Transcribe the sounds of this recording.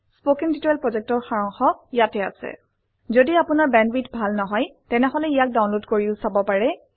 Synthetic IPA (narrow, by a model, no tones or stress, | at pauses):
spokɛntitɔjlpɹɔzɛk̚tɔɹxaɹɔŋxɔijatɛa̰sɛ̰ | zodiapʊnaɹbɛndbitbʱalnɔɦɔjtɛnɛɦɔlɛijak̚dawnlodkoɹiʊsabɔpaɹɛ